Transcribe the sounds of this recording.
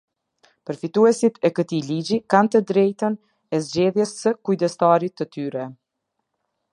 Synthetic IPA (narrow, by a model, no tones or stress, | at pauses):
pəɾfit̪uɛsit̪ɛkət̪ilid͡ʑikant̪əd̪ɾɛjt̪ən | ɛzd͡ʑɛðjɛsːəkujd̪ɛst̪aɾit̪ːət̪yɾɛ